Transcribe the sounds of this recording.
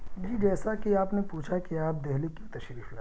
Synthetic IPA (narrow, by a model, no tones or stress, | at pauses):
bʱid͡ʒɛːsakiaːpnepuːt͡ʃʰakiaːp̚d̪eɦlikjũt̪ɐʃɾiːfla̰